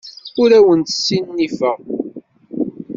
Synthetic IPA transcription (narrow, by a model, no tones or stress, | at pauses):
ʊɾæwənt̪ə̥sːinnifəʁ